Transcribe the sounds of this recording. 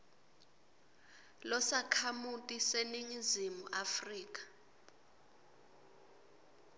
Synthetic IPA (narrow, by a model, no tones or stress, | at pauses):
lɔsakʰamutʼiseniŋizimuʔafriːk̬ʼḁ